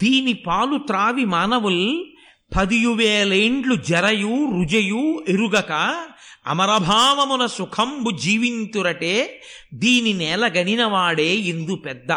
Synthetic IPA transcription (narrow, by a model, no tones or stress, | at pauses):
d̪iːnipaːlut̪ɾaːʋimaːnɐʋul | pʰɐd̪ijuʋeːleːɳɖlud͡ʒɛɾɐjuːɾud͡ʒɐjuːeɾuɡɐkɐɐ̰mɐɾɐbʱaːʋɐmunɐsukʰɐmbud͡ʒiːʋint̪uɾɐʈeː | d̪iːninɛːlɐɡɐɳinɐʋaːɽeːind̪upɛd̪ːɐ